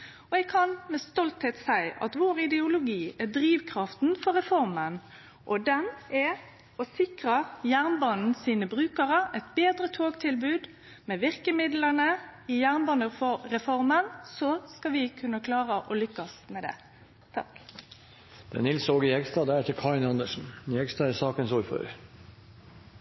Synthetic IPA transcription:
ɔɛɡ̚kʰɑnmɛst̪ɔlt̪heːt̪sæɪʔɑ̰t̪ʋoːɾɪd̪ɛʊlʊɡiːɛd̪ɾiːʋkʰʁɑft̪n̩fɔɾɛfɔɾmən | ʔɔd̪ɛnɛ | ɔsɪkʁəjæʁnbɑːnn̩siːnəbʁʉːkəʁəʔɛt̪̚beːd̪ɾət̪ʰoːɡt̪ʰɪlbʉːd̪ | mɛʋɪʁkəmɪd̪lənəɪjæʁnbɑnəfɔɾɛfɔɾmənsɔskɑʋɪkʰʉnːəkʰlɑːʁəʔɔlʏkːɑsmɛd̪ɛ̰ː | t̪ʰɑk | d̪̥ɛ̰nɪlsoːɡɪhɛɡst̪ɑːd̪æɾɛt̪ːəkʰɑɪnɑnd̪əʂn̩njɛɡst̪ɑːɛsɑːkənsɔɾfø̰ɾ

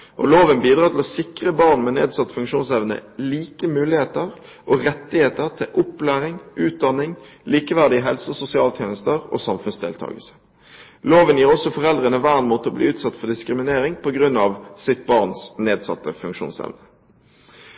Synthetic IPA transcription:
ʔɔ̰loːʋənbiːd̪ʁɑːt̪ʰɪlɔsɪkʁəbɑʁnmɛnḛːd̪sɑt̪ːfʉŋkʂuːnsɛʋnə̰liːkəmʉːlɪheːt̪əʁ | ʔɔʁɛt̪ːɪheːt̪əʁt̪ʰɪlʔʊpːlæːʁɪŋʔʉːt̪̚d̪ɑnːɪŋliːkəʋæʁd̪ɪəɦɛlsəɔsʊsɪɑːlt̪ʰjeːnəst̪əʁo̰ːsɑmfʉnsd̪eːlt̪ʰɑ̰ːɡəlsə̥ | loːʋənjiːʁɔsɔfɔʁɛld̪ʁənəʋæːʁnmuːt̪əɔblḭːʉːt̪sɑt̪ːfɔd̪ɪskʁɪmɪneːʁɪŋpʰɔɡʁʉnːɑʋsɪt̪̚bɑʁnsneːd̪sɑ̰t̪ːəfʉŋkʃṵːnsɛ̰ʋnə

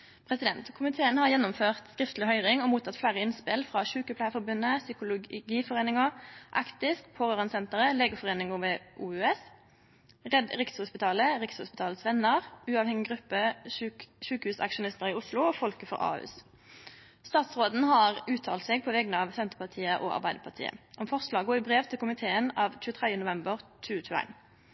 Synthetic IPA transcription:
pʰʁɛsɪd̪ɛnt̪kʰʊmɪt̪ʰeːənhɑʁjɛnːʊmføːʁt̪skʁɪft̪lɪhœʏʁɪŋɔmuːt̪ʰɑt̪flæːʁəɪnspɪlfʁɑːʃʉːkəpʰlæɪfɔbʉnːəsʏkʊlʊɡiːfɔʁeːnɪŋəʔɑkt̪ɪskpʰoːʁøːʁɑnsɛnt̪əʁəleːɡəfɔʁeːnɪŋʊʋɛʔuːʉɛs | ʁɛd̪ʁɪkshʊspɪt̪ʰɑːləʁɪkshʊspɪt̪ʰɑːləsʋɛnːəʁʉːɑʋhɛŋɪɡʁʉpːə | ʃʉːkhʉːsɑ̰kʃʊnɪst̪əʁɪʊslʊoːfɔlkəfɔ̰ʁɑ̰ːʉ̰ːs | st̪ɑːt̪sʁoːd̪n̩hɑʁʉːt̪ʰɑːlt̪sɛːɡ̚pʰɔʋɛɡnəɑːʋsɛnt̪əpɑʁt̪ʰiːəʔɔ̰ːɑ̰ʁbæɪd̪əpʰɑʁt̪ʰḭːə̰ʔɔmfɔʁslɑːɡoːɪbʁeːʋt̪ʰɪlkʊmɪt̪ʰeːənɑːʋt͡ʃʉːət̪ʰʁɛd̪jənʊʋɛmbəʁt͡ʃʰʉːət͡ʃʰʉːəæ̰ɪn

